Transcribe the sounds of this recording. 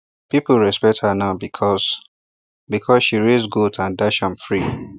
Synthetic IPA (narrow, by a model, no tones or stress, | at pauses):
pipulɹɛspɛk̚thanaʊbikʰɔs | bikʰɔsʃiɹesɡudãndaʃãmfɹi